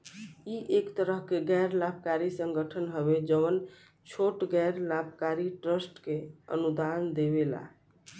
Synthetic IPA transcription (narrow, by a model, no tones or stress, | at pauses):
iʔekt̪əɾəɦkeɡɛjɾlab̚ʱkaɾisəŋɡəʈʰənɦəbed͡ʒəən | t͡ʃʰoʈɡɛɾlabʱkaɾiʈɾəsʈkeə̰nud̪and̪ebela̰